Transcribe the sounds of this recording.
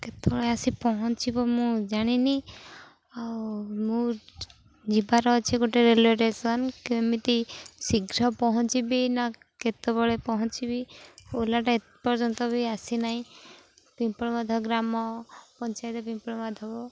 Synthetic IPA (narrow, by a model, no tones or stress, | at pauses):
ket̪ɔbɔɭeasipɔɦɔt͡ʃʰibɔmũd͡ʒaɽ̃ini | awmũ | d͡ʒibaɾɔt͡ʃʰiɡoʈeɾelɔɾesɔnkiemit̪isiɡɾɔpɔɦɔt͡ʃibina | ket̪ɔbɔɭepɔɦɔ̃t͡ʃibiolaʈae | pɔɾd͡ʒɔnt̪ɔbiasinaɦĩ | pimpɔɭmad̪ʱɔɡɾamɔpɔnt͡ʃajt̪ɔpimpɔɽmad̪ʱɔbɔ